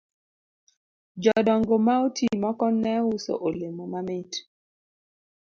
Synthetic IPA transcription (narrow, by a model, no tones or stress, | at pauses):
d͡ʒɔdɔŋɡomaotimɔkɔnɛʊso̰ʔolemomamɪt